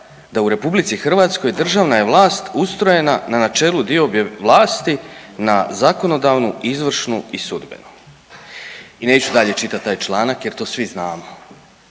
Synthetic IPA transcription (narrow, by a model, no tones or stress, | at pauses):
d̪auɾe̞publit̪sixrʋaːt̪sko̞jd̪r̩ʒaʋnaje̞ʋlˠaːst̪ust̪ɾoje̞nananat͡ʃe̞ːlud̪iobjeʋlˠaːst̪inazako̞no̞d̪aːʋnuizʋr̩ʃnuisud̪bḛnu | ine̞ːt͡ɕud̪aʎe̞t͡ʃit̪at̪ːaːjt͡ʃlˠaːnakje̞ɾt̪o̞ːsʋiznaːmo